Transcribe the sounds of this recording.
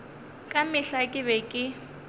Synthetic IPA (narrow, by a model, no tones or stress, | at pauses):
kʼamɪɬakʼɪβɛkʼɪ